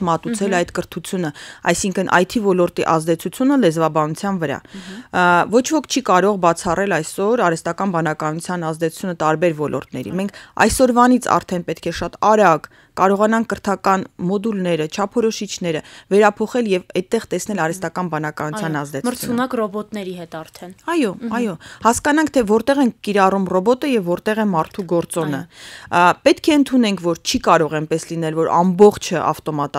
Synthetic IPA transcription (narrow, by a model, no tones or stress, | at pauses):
mɑt̪ut͡sʰɛlɑjt̪kəɾt̪ʰut͡sʰjunəɑ̰jsiŋkʰənʔɑ̰jt̪ʰivɔlɔɾt̪iʔɑzd̪ɛt͡sʰut͡sʰjunəlɛzvɑbɑnut͡sʰjɑnvəɾɑ̰ | vɔt͡ʃʰvɔkʰt͡ʃʰikɑɾɔʁbɑt͡sʰɑrɛlɑjsɔɾɑɾɛst̪ɑkɑnbɑnɑkɑnut͡sʰjɑnɑzd̪ɛt͡sʰu̥t͡sʰunət̪ɑɾbɛɾvɔlʔɔ̰ɾt̪nɛ̰ɾḭmɛŋkʰɑ̰jsɔɾvɑnit͡sʰɑ̰ɾt̪ʰɛnpɛt̪kʰɛʃɑt̪ɑɾɑk | kɑɾɔʁɑnɑŋkʰːəɾt̪ʰɑkɑnmɔd̪ulnɛɾət͡ʃʰɑpʰɔɾɔʃit͡ʃʰnɛɾəvɛɾɑpʰɔχɛljɛvɛt̪ːɛʁt̪ɛsnɛlɑɾɛst̪ɑkɑnbɑnɑkɑnut͡sʰjɑnɑzd̪ɛəɾt͡sʰunɑkrɔbɔt̪nɛɾiɦɛt̪ɑɾt̪ʰɛnɑjɔɑjɔhɑskɑnɑŋkʰt̪ʰɛvɔɾt̪ɛʁɛnkːiɾɑrumrɔbɔt̪əjɛvːɔɾt̪ɛʁɛmɑɾt̪ʰuɡɔɾt͡sɔnə | pɛt̪kʰɛənt̪ʰunɛŋkʰvɔɾt͡ʃʰikɑɾɔʁɛmpɛslin̪ɛlvɔɾɑ̰mbɔχt͡ʃʰəʔɑ̰ft̪ɔmɑt̪